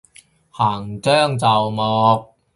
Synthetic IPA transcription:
haː˨˩ŋt͡sœː˥˩ŋt͡sɐ˨wmɔː˧k̚

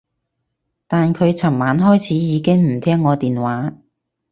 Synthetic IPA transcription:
t̪aː˨nkʰɵ˨˧ɥt͡sʰɐ˨˩ŋmaː˨˧nɦɔː˥jt͡sʰiː˨˥jiː˨˧kɪ˥ŋm̩˨˩t̪ʰɛː˥ŋːɔː˨˧t̪iː˨nwaː˨˥

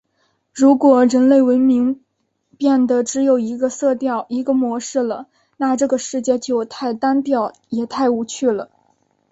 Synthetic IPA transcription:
ɻu˧˥kwɔ˨˩ɻə˧˥nle˥˩ɪwə˧˥nmi˧˥ŋ | pjɛ˥˩nd̪ə˩ʈ͡ʂɻ̩˧˥jo˨˩ʊi˧˥ɡə˧sɤ˥˧t̪jɑ˥˩ʊi˧˥ɡə˧mwɔ˧˥ʂɻ̩˥˩lə˩ | na˥˧ʈ͡ʂɤ˥˩ɡə˩ʂɻ̩˥˧t͡ɕjɛ˥˩t͡ɕjo˥˧ʊt̪ʰa˥˩ɪt̪a˥nt̪jɑ˥˩ʊ | jɛ˨˩t̪ʰa˥˩ɪu˧˥t͡ɕʰy˥˩lə˩

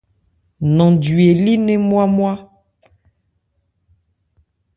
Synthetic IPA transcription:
nɔ̃˨di˨e˨li˦nɛ̃˦mwa˦mwa˦

